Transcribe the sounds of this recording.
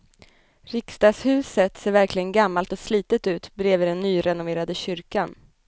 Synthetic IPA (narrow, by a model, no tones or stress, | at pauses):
ɾɪkst̪ɑːɡshʉ̟ːsət̪seːɾvæɾklɪɡənɡamːalt̪ɔsliːt̪ət̪ʉ̟ːt̪bɾeːvɪd̪ɛnːyːɾɛnʊveːɾad̪əɕʏɾkan